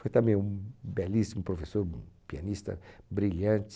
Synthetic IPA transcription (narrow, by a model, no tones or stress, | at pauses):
fojt̪ɐ̃mbẽj̃ũbɛlisimʊpɾofesoɾpianist̪ɐ̰bɾilɐ̃nt͡ʃ̪